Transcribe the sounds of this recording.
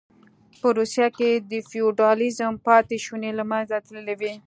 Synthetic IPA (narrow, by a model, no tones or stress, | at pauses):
pəɾusjaked̪əfijuɖɑlizəmpɑt̪eʃunelamanzat̪əllawi